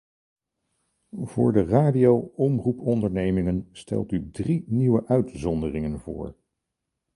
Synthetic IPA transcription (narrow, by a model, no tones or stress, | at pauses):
v̥ʊ̰ːɹdəraːdiowɔmrupɔndəɹnejmɪŋənstɛ̰lˠtydriniwəʔœɥtzɔndərɪŋənvʊ̰ːɹ